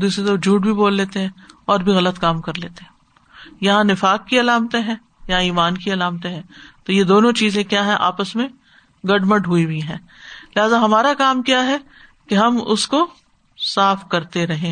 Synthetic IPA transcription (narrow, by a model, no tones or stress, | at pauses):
d̪uːsɾed̪od͡ʒʱuːʈbʱiboːlːeːt̪eɦɛ̃ɔːɾbʱiɣɐlət̪kaːmkɐɾleːt̪eɦɛ̃ | jɐɦãnɪfaːkːiɐlaːmt̪ẽɦɛ̃ː | jɐãiːmaːnkiɐlaːmt̪ẽɦɛ̃ːt̪ojed̪oːnõt͡ʃiːzẽkjaːɦɛ̃ʔa̰ːpəsmẽ | ɡɐɖməʈɦʊibʱiɦɛ̃ː | lɪɦaːzaɦɐmaːɾakaːmkjaɦɛ | keɦɐmʊsko | saːfkɐɾt̪eɾɐɦẽ